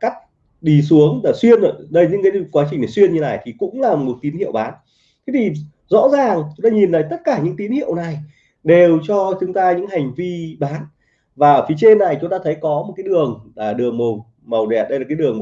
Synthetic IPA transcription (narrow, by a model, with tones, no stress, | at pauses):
ka˦˥jk̟̚ | ɗi˧˩su˨˦əŋlaː˨˩swi˧ənəː˧˨˩ɗə˧jɲɨ̰˧˥ŋkaː˨˦kwaː˨˦t͡ɕï̟˨˩na˨˩swi˧ənɲɨ˧naː˧˨˩jt̪ʰi˨˩kʊ̰˧˥ŋ͡mlaː˨˩mo˨˩ku˨˩t̚t̪i˨˦nhḭ˧˨ə˨wɓaː˨˦n | t̪ʰe˨˦t̪ʰi˨˩ | zɔ̰˧˥zaː˨˩ŋt͡ɕʊ˨˦ŋ͡mt̪aː˧ɲi˨˩nlaː˨˩jt̪ə˦˥t̚kaː˧˩ɲɨ̰˧˥ŋt̪i˨˦nhḭ˧˨ə˨wna˨˩j | ɗe˨˩wt͡ɕɔ˧t͡ɕʊ˨˦ŋ͡mt̪aː˧ɲɨ̰˧˥ŋha˨˩jŋ̟vi˧ɓaː˨˦n | vaː˨˩ʔəː˧˩fi˨˦t͡ɕe˧nːa˨˩jt͡ɕʊ˨˦ŋ͡mt̪aː˧t̪ʰə˨˦jkɔ˨˦mo˨˩t̚kaː˨˦jɗɨ˨˩əŋaː˨˩ɗɨ˨˩əŋmə˨˩w | mə˨˩wɗɛ˨˩t̚ɗə˧jlaː˨˩kːaː˨˦jɗɨ˨˩əŋm